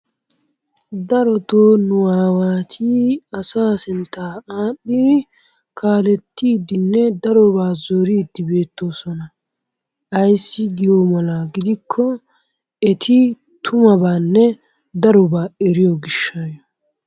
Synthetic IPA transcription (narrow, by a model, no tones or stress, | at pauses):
d̪ɐɾɔt̪oːnʊwaːwaːt̪ʰiːɐsaːsɪnt̪aːaːɗːid̪ɪ | kʰaːlɛt̪ːiːd̪ɪnːɛd̪ɐɾɔbaːzɔɾiːd̪ːɪbeːt̪ːo̞ːsɔnɐ | ɐjsːɪɡɪjoːmɐlaːɡɪd̪ɪkʰːɔ | ɛt̪ʰɪ | t̪ʰʊmɐbaːnːɛ | d̪ɐɾɔbaːɛɾɪjoɡɪʃːaːjɔ